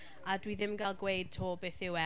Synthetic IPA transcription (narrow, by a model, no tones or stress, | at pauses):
adwiðɪmɡalˠɡwejd̥̚tʰoːbeθɪwɛ